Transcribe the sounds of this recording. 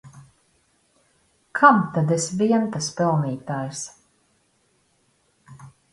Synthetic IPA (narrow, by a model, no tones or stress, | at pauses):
kʰamt̪ad̪ɛsviɛnt̪aspɛlˠniːt̪aːjs